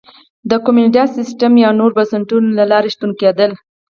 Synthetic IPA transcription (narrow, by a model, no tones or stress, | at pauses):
d̪əkomunɪʈasɪsʈəmjɑnoɾbasaɳʈunlalɑɾeʃt̪uŋked̪əl